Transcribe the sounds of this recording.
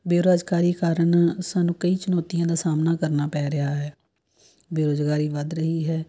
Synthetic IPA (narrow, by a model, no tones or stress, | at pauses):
beːɾoːd͡ʒkaːɾiːkaːɾənsaːnũːkəiːt͡ʃʊnɔːt̪ijãːd̪aːsaːmnaːkəɾnaːpɛːɾɪɦaːɦɛː | beːɾoːzɡaːɾiːʋəd̪ɾəɦiːɦɛː